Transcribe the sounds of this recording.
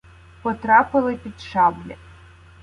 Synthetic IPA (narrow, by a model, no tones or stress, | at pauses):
pɔt̪ɾɑpɪlˠɪpʲid̪ʃɑblʲɐ